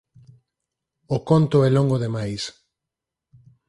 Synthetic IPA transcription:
okont̪ʊɛloŋɡoðemajs

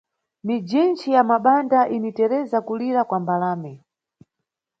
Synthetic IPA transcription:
mid͡ʒint͡ʃijamaɓandaʔinitɛɾɛzakuliɾakwambalaːmɛ

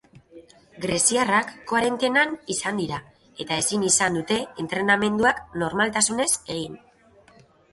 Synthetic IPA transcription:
ɡɾe̞siarakːoaɾe̞nt̪e̞nanisand̪iɾa | e̞t̪ae̞sinisand̪ut̪e̞ːnt̪ɾe̞name̞nd̪uakno̞ɾmalt̪asune̞se̞ɣ̞in

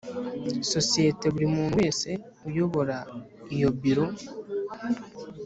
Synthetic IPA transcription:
so̞sije̞teβuɾimuːmeːse̞ | ujo̞βo̞ɾaijo̞biɾo̞

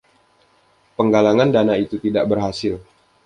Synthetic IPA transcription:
pəŋɡalaŋandanait̪ut̪idaʔbərɦasɪl

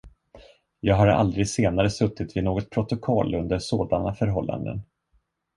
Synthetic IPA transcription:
jɑːɡɦaɾa̰ld̪ɾɪɡseːnaɾəsɵt̪ːɪt̪vɪnoːɡɔt̪̚pʰɾʊt̪ʊkʰɔlːɵnd̪əʂoːd̪anafœɾɦɔlːa̰nd̪ə̰n

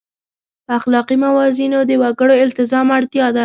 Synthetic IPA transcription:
axlɑqimawɑzinod̪əwaɡəɽoɪlt̪ɪzɑmaɽt̪jɑd̪a

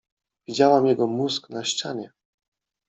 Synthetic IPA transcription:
vʲid͡ʑawamjɛɡɔmuzknaɕt͡ɕaɲɛ

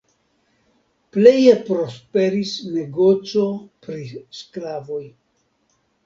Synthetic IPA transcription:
ple̞jepɾo̞spe̞ɾisne̞ɡo̞t͡so̞pɾisklavo̞j

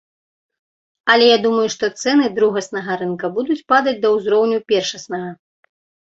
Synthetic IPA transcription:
ɐlʲɛjad̪umɐjuʂt̪ɔt̪sɛnɨd̪ɾuɣɐsnɐɣɐɾɨnkɐbud̪ut͡sʲpad̪ɐd͡zʲd̪ɐwzɾɔwnʲupʲɛrʂɐsnɐɣɐ

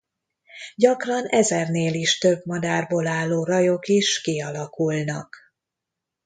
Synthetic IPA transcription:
ɟɒkrɒnɛzɛrneːliʃt̪øbmɒd̪aːrboːlaːlːoːrɒjo̞kiʃkiɒlɒkulnɒ̰k

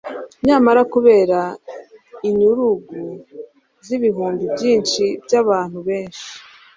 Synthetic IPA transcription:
ɲaːmaɾakuβe̞ːɾa | iɲuɾuɡu | ziβiɦuːmbibɟiːnʃibɟaβaːn̥huβe̞ːnʃi̥

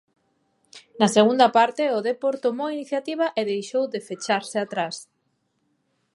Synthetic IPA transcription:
nɐseɣund̪ɐpaɾt̪ɪoðepoɾt̪omowiniθjat̪iβ̞ɐʔɪðejʃowðɪfet͡ʃaɾsɪat̪ɾas

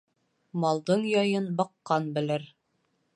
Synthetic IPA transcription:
mɑlˠd̪ɤɴjɒjɤnbɑqːɑnbɘ̆lɘɾ

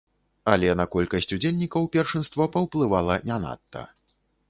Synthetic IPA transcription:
ɐlʲɛnɐkɔlʲkɐsʲt͡sʲud͡zʲelʲnʲːikɐwpʲɛrʂɨnst̪vɐpɐwplˠɨvalˠɐnʲana̰t̪ːɐ̰

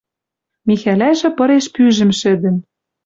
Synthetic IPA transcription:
mixælæʒɘ̆pɤ̆ɾeʃpyʒɘ̆mʃɘ̆d̪ɘ̆m

